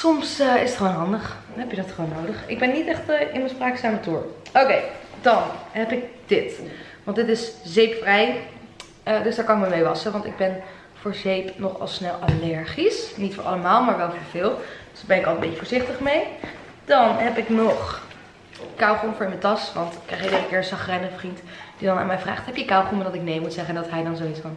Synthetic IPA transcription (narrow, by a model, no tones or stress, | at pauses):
sɔmsəɪsətχəʋownɦɑndəχ | ɦɛpjədɑtχəʋownːowdəχɪ̰ɡ̚bɛnːitɛχtəʔɪnməspraːksaːmətuːɹowkejd̥ɑnɦɛpɪk̚d̥ɪt | ʋɑntdɪtɪszejpfrɛj | ədɵsdaːɹkɑnɪk̚məmejʋɑsəʋɑntɪ̰ɡ̚bɛn | v̥ʊːɹzejpnɔχɑ̰lˠsnɛlˠʔalɛɹχisnitfʊ̰ːɹʔɑ̰ləmaːlˠmaːɹʋɛlˠvʊːɹv̥ɪːlˠd̥sbɛnɪkɑlˠəmbejcəvʊːɹzɪχtəχmej | d̥ɑnɦɛpɪknɔχ | kawχonfʊːɹɪmətɑsʋɑntkrɛjχidəkɪːɹənsɑχərɛjnəvrintd̥idɑna̰ːnmɛjvra̰ːχtɦɛpjəkawχuməndɑtɪknejmutsɛχəndɑtɦɛjdɑnzowitsfɑn